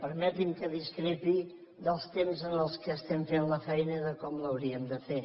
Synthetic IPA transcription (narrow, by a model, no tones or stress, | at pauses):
pəɾmɛt̪imkəðiskɾɛpi | d̪əlˠst̪emzənəlˠskəːst̪ɛɱfenləfɛjnəiðəkɔmləwɾiəmd̪əfe